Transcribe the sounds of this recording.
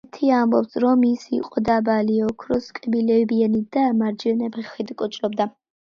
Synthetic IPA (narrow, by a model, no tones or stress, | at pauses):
t̪ʰiambɔpsɾɔmisḭqʼɔd̪abaliɔkʰɾɔskʼɛbilɛbianid̪amaɾd͡ʒɛnɛpʰɛχid̪kʼɔt͡ʃʼɾɔbd̪a